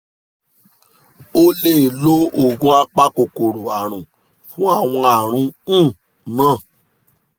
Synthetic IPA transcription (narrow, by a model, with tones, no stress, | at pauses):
o˦le˦˨lo˦o˨ɡũ˦a˧k͡pa˦ko˨ko˨ɾo˨a˨ɾ̃ũ˨ | fũ˦a˦˨w̃ɔ̃˧a˨ɾ̃ũ˧˦˨ | nã˦˨